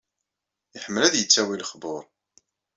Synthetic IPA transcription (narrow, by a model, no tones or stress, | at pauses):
əħəmːəlæðjət͡sːæwilχbʊɾˤ